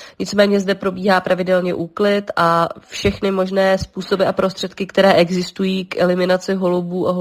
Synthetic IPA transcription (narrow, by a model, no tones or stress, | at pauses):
ɲɪt͡smɛːɲɛzdɛpɾo̞biːɦaːpɾʔavɪdɛlɲɛʔuːklɪt̪ʔafʃɛxnɪmo̞ʒnɛːspuːso̞bɪʔapɾo̞st̪r̝̥ɛt̪̚kɪkt̪ɛɾɛːʔɛɡzɪst̪ujiːkʔɛ̰lɪmɪnat͡sɪɦo̞lubuːʔaɦo